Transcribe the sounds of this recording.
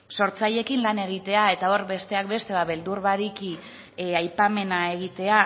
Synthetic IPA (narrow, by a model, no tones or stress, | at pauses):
so̞ɾt͡saʎe̞kinlane̞ɣ̞it̪e̞ae̞t̪ao̞ɾbe̞st̪e̞ak̚be̞st̪e̞βaβe̞ld̪uɾβaɾiki | ajpame̞nae̞ɣ̞it̪e̞a